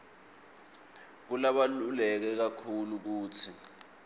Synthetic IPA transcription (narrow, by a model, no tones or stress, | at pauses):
k̬ulaɓalulɛk̬ɛk̬akʰuluk̬uːtʰi